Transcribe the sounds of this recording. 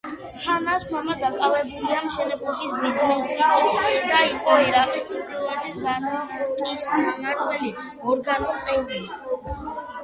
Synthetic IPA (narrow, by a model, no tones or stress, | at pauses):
hʰanaskʰmɔmad̪akʼavɛbuliamʃɛnɛbukʼisbiznɛsid̪̥aiqʼɔɛɾaqʼist̪sʰipʰilˠɛt̪ʰisbanakʼismamaɾvɛli | ɔɾɡanust̪ʼɛvɾii